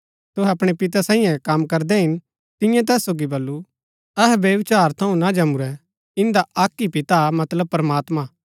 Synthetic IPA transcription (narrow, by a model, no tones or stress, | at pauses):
t̪ʊɦɛɐpɽ̃epɪt̪̬asãːĩjɛ̃kɐmkɐɾd̪ɛɦɪn | t̪ɪ̃jãt̪̬ɛːsːoːɡibɐlːu | ɐɦɛbjɐʋɪt͡ʃaːɾt̪ʰɐũnad͡ʒɐmuɾɛ | ɪ̃nd̪aʔaːkːipɪt̪amɐt̪ləb̚pɾɐmaːt̪ma